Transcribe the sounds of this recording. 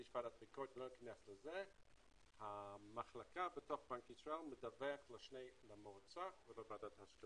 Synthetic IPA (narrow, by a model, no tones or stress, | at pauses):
iʃv̥adat̪̚bikot̪lonəkanesleze | hamaχlakabetoχbaŋkitʁalmedaveaχleʃnejlamoʁt͡saχvelavadathaʃka